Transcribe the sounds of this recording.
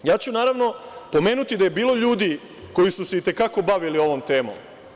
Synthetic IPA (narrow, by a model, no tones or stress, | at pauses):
jaːt͡ɕunaːɾaʋno̞po̞me̞ːnut̪id̪aje̞biːlˠo̞ʎuːd̪i | ko̞jisuseit̪e̞kako̞baʋilio̞ʋo̞mt̪e̞ːmo̰m